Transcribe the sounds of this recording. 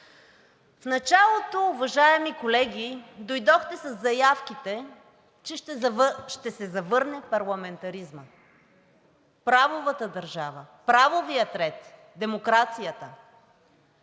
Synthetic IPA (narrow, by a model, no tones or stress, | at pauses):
fnɐt͡ʃalˠot̪oːvɐʒaɛmikolɛɡʲid̪ojd̪ɔxt̪ɛsɐzːɐjafkit̪ɛ | t͡ʃɛʃtʃt̪ɛsɛzɐvɤɾnɛpɐɾlˠɐmɛnt̪ɐɾizmə | pɾavovət̪əd̪ɐɾʒavəpɾavovijət̪ɾɛt̪ | d̪ɛmokɾat̪sijət̪ə